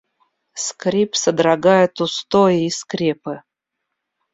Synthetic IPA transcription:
skɾʲipsəd̪ɾɐɡajɪt̪ʊst̪ojɪiskɾʲepɨ

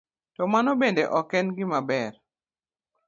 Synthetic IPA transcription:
tɔmanɔbendeʔɔkɛnɡɪmabɛr

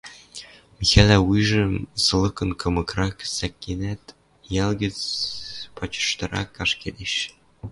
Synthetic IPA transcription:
mixælæujʒɤ̆sɤ̆lˠɤkɤ̆nkɤ̆mɤ̆krɑksækːenæt̪ | jælɡɘ̆t͡sʲ | pɑt͡ɕɤ̥̆ʃt̪ɤ̆ɾɑ̰kːɑʃked̪eɕ

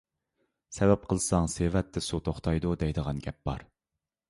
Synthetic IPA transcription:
sɛvɛp̚qʰəlˠsɑŋsevɛt̪ʰːɪsut̪ʰoχt̪ʰɑjd̪ud̪ɛjd̪əʁɑnɡʲɛp̚bɑ̰ɾ

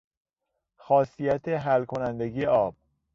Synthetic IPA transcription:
xɒːsijæt̪ʰeɦælkʰo̞nænd̪eɡijeʔɒːb̥̚

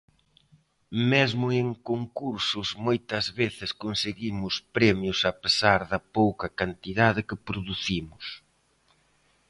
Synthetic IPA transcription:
mezmʊeŋkoŋkuɾsʊzmojt̪ɐzβeθɪskonseɣimʊspɾɛmjʊsɐpesaɾðɐpowkɐkant̪iðaðɪkɪpɾoðuθimʊs

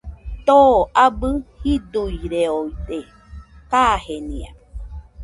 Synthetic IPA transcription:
t̪oːʔabɨhid̪ujɾeoit̪e | kahenĩa̰

